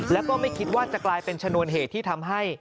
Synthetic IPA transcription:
lɛ˦˥wkɔː˥˩ma˥˩jkʰi˦˥t̪̚waː˥˩t͡ɕa˨˩klaː˧jpe˧nt͡ɕʰa˧nu˧ənɦeː˨˩t̪ʰːiː˥˩t̪ʰa˧mɦa˥˩j

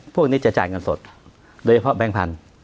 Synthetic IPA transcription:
pʰu˥˩ək̚niː˦˥t͡ɕa˨˩t͡ɕa̰ː˨˩ŋɤ˧nso˨˩t̪̚ | doː˧t͡ɕʰa˧pʰɔ˦˥bɛː˦˥ŋpʰa̰˧n

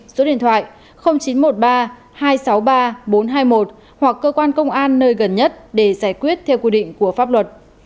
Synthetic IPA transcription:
zo˨˦ɗḭ˧ənt̪ʰwa̰ː˧˨j | xə˧wŋ͡mt͡ɕi˨˦nmo˨˩t̚ɓaː˧ | haː˧jsa˨˦wɓaː˧ɓo˨˦nɦaː˧jmo˨˩t̚ | hwa˨˩kːəː˧kwaː˧nkə˧wŋ͡mʔaː˧nːəː˧jɣə˨˩nɲə˦˥t̚ɗe˧˩zaː˧˩jkwi˦˥ət̚t̪ʰɛ˧wkwi˧ɗḭ˧˨ŋ̟ku˧˩əfaː˦˥p̚lwə˨˩t̚

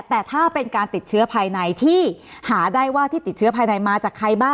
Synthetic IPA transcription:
t̪ɛː˨˩t̪ʰaː˥˩pe˧nkaː˧nt̪i˨˩t̪̚t͡ɕʰɯ˦˥ɐpʰaː˧jna˧jt̪ʰiː˥˩haː˩˦daː˥˩jwaː˥˩t̪ʰiː˥˩t̪i˨˩t̪̚t͡ɕʰɯ˦˥ɐpʰaː˧jna˧jmaː˧t͡ɕaː˨˩kʰɾa˧jbaː˥˩

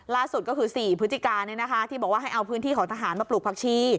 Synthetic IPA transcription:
laː˥˩su˨˩t̪̚kɔː˥˩kʰɯː˧siː˨˩pʰɯ˦˥t̪ʰːi˧˩kaː˧nɯ˧˥˧na˦˥kʰa˦˥t̪ʰiː˥˩bɔː˨˩waː˥˩ɦa˥˩ʔa˧wpʰɯː˦˥nt̪ʰiː˥˩kʰɔː˩˦ŋt̪ʰa˧ɦaː˩˦nmaː˧˩plu˨˩pʰaː˧˩kt͡ɕʰiː˦˥˩

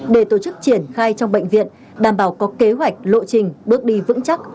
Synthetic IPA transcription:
ɗe˧˩t̪o˧˩t͡ɕɨ˦˥k̚t͡ɕi˧˩ənxaː˧jt͡ɕɔ˧wŋ͡mɓə̰˧˨ŋ̟vḭ˧˨ən | ɗaː˨˩mɓaː˧˩wkɔ˨˦ke˨˦ɦwa˨˩jk̟̚lo̰˧˨t͡ɕï˨˩ŋ̟ɓɨ˦˥ək̚ɗi˧vɨ̰˧˥ŋt͡ɕa˦˥k̚

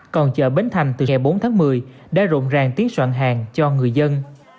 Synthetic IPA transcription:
kɔ˨˩nt͡ɕə̰ː˧˨ɓe˨˦nt̪ʰa˨˩jŋ̟t̪ɨ˨˩ɛ˨˩jɓo˨˦nt̪ʰaː˨˦ŋmɨ˨˩əj | ɗa̰ː˧˥zo̰˧˨nzaː˨˩ŋt̪i˨˦ənswa̰ː˧˨nɦaː˨˩ŋt͡ɕɔ˧ŋɨ˨˩əjzə˧n

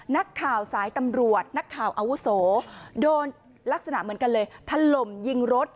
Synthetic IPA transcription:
na˦˥kʰːaː˨˩wsaː˩˦jt̪a˧mɾu˨˩ət̪̚na˦˥kʰːaː˨˩wʔa˧wu˦˥soː˩˦doː˧n | la˦˥k̚sa˧na̰˨˩ʔmɯ˩˦ənka˧nlɤː˧jt̪ʰa˧lo˨˩mji˧ŋɾo˦˥t̪̚

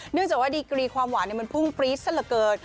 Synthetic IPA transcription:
nɯ˥˩əŋt͡ɕaː˨˩k̚waː˥˩diː˧kɾiː˧kʰwaː˧mwaː˩˦ni˥˩ma˧npʰu˥˩ŋpɾiː˦˥t̚sa˥˩la˨˩kɤː˧n

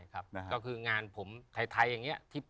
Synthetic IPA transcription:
jkʰa˦˥p̚kɔː˥˩kʰɯː˧ŋaː˧npʰo˩˦mt̪ʰa˧˩jt̪ʰa˧jːa˨˩ŋːi˦˥ɐt̪ʰiː˦˥˩p

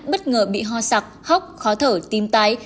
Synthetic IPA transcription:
ɓə˦˥t̚ŋəː˨˩ɓḭ˧˨ɦɔ˧˩sa˨˩k͡p̚ha˦˥wk͡p̚xɔ˨˦t̪ʰəː˧˩t̪i˨˧mt̪a˧˦j

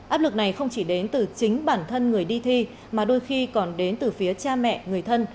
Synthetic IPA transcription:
ʔaː˦˥p̚lɨ˨˩k̚na˨˩jxə˧wŋ͡mt͡ɕi˧˩ɗe˨˦nt̪ɨ˨˩t͡ɕï˨˦ŋ̟ɓaː˧˩nt̪ʰə˧nŋɨ˨˩əjɗi˧t̪ʰi˧ | maː˨˩ɗo˧jxi˧kɔ˨˩nɗe˨˦nt̪ɨ˨˩fi˨˦ət͡ɕaː˧mɛ̰˧˨ʔŋɨ˨˩əjt̪ʰə˧n

